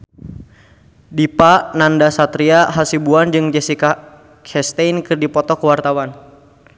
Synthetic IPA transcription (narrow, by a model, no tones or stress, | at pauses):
dipaʔnandasat̪ɾiaɦasibuand͡ʒɨŋd͡ʒɛsika | kʰɛst̪ɛjnkɨrdipɔt̪ɔkəwart̪awan